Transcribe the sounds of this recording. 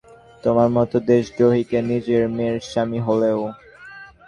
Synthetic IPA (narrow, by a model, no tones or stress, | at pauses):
t̪omaɾmɔt̪od̪eʃɡɾoɦikenid͡ʑeɾmeɾʃamiɦoleo